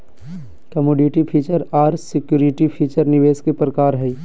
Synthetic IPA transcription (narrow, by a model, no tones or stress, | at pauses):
kɐmoːɖiʈipʰiːt͡ʃəɾaːɾsɪkjuːɾɪʈipʰiːt͡ʃəɾnɪʋeːskepɾəkaːɾɦɛ